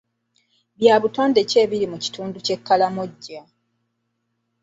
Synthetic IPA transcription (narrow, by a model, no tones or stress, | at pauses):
βjaːβuto̞ːnde̞ce̞ːβiɾimuci̥tuːnduce̞kːalamoɟːa